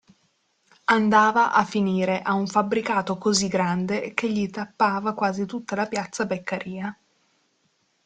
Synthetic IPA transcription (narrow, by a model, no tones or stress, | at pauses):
and̪aːvaʔafːiniːɾeʔauɱfabɾikaːt̪okoziɡːɾand̪ek̟eʎːit̪apːaːvakwaːzit̪ut̪ːalapjat̪sabekːaɾiːa